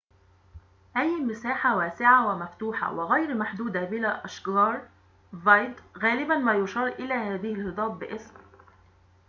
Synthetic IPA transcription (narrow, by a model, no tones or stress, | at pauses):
ʔajːmɪsaːħawæːsɪʕawɪmaft̪uːħa̰wɪɣæjɾmaħd̪uːd̪abɪlaːʔɑʃɡɑːɾˤ | vɑjd̪ɣæːlɪbanmæːjʊʃɑːɾˤʔɪlæːhæːðɪhɪlhɨd̪ˤɑːbbɪʔɪsm